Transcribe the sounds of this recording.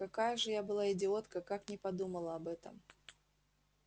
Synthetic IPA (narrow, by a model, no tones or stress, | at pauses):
kɐkajəʐɨjabɨlˠaɪdʲɪo̞t̪kəkaknʲɪpɐd̪uməlˠəɐbɛt̪ə̰m